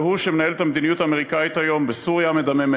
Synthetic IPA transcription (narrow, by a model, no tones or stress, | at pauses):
huʃemenae̞let̪amed̪inijut̪aːme̞ʁ̞ikait̪hajo̞mbesuʁjame̞d̪ameme